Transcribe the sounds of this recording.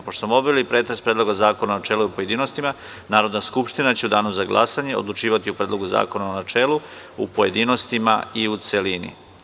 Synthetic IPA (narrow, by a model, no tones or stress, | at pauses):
poʃt̪ososmobʋelipɾe̞ːt̪ɾespɾed̪lˠo̞ɡazaːkonanat͡ʃeluiupoje̞d̪iːno̞st̪ima | naːɾod̪naskupʃt̪inat͡ɕe̞ud̪aːnumzaɡlˠa̰saɲe̞od̪lˠut͡ʃiːʋat̪iupɾeːd̪lˠo̞ɡuza̰ːko̞naonat͡ʃeːlu | upo̞je̞d̪iːno̞st̪ima̰iut̪se̞linḭ